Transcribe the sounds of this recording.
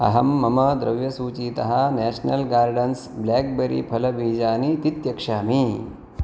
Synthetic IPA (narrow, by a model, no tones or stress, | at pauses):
ɐ̰ɦɐmːɐmɐd̪ɾɐ̰ʋjɐsuːt͡ʃiːt̪ɐɦɐ̆næːʃnɐlɡaːɾɖɐns | blaːk̚beɾḭpʰɐlɐbʱiːd͡ʒaːnit̪it̪jɐkʂaːmi